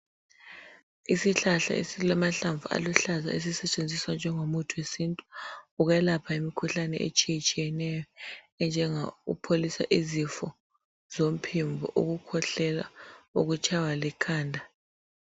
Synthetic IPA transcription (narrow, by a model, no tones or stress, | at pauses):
isiɬaɬa̰ḛsilamaɬaɱvua̰luɬaza̰es̬isɛt͡ʃʼend͡zʱiswand͡ʒʱɛŋomutʰuwesintʼu̥uɣɛlapʰaimikʰuɬanɛ̰ʔḛt͡ʃʼijɛt͡ʃʼijɛnɛjɔ | ɛnd͡ʒʱɛŋaṵpʰolisa̰ʔizifɔ | zom̩pʰiɱbʱɔ̰ʔo̰ɣukʰɔɬɛla̰uɣut͡ʃʰʼawalɛkʰaːndʱa